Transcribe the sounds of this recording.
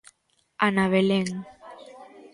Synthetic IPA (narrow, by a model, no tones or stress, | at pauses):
anaβeleŋ